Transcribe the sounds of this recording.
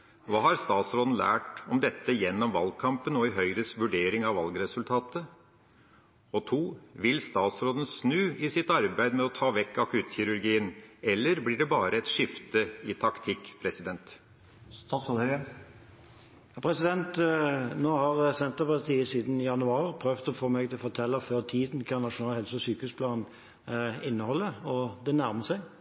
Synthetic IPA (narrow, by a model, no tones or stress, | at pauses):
ʋɑːhɑɾst̪ɑːt̪sɾoːd̪ən̩læ̰ːʈɔmd̪ɛt̪ːəjɛnːɔmʋɑlɡ̚kʰɑmpənɔɪɦœʏɾəsʋʉɖeːɾɪŋɑʋɑlɡɾɛsʉlt̪ʰɑːt̪ə | ɔt̪ʰuːʋɪlst̪ɑːt̪sɾoːd̪ənsnʉːɪsɪt̪ɑɾbæɪd̪mɛɔt̪ʰɑːʋɛkːɑkʉːt̪çɪɾʉɾɡiːənɛlːəɾblɪɖɛbɑːɾəɛt̪ʂɪft̪əɪt̪ʰɑkt̪ʰɪkːpʰɾɛsɪd̪ɛnt̪ | st̪ɑt̪sɾoːd̪ | jɑːpʰɾɛsɪd̪ɛnt̪noːhɑʁsɛnt̪əpɑt̪ʰiːəsiːd̪n̩jɑnʉɑːʁpʰɾøʋt̪ɔfoːmɛɡt̪ʰɪlɔfɔʁt̪ʰɛlːəføːʁt̪ʰiːd̪nkʰɑnɑʂʊnɑːlhɛlsəɔsyːkəhʉspʰlɑːn | ɪnːəhɔlːəɔd̪ɛnæʁməsæɪɡ